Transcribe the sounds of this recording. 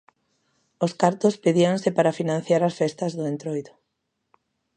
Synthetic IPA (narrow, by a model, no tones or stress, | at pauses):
oskaɾt̪ospeðiaŋsɪpaɾafinãnθjaɾasfɛst̪ɐzðoʊẽnt̪ɾojðʊ